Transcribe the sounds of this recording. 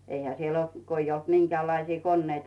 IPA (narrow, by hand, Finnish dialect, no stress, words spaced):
eihæ siel olt ko ij olt miŋkeæˑlːɑisiː konːeitɑ